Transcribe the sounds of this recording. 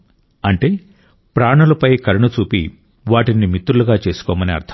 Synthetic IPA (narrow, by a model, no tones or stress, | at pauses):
ɐɳʈeː | pɾaːɳɐlɐpɐjkɐɾɐɳɐt͡ʃuːpi | ʋaːʈinimit̪ɾuluɡaːt͡ʃe̞ːsu̥kɔːmɐniɐ̰ɾt̪ʰ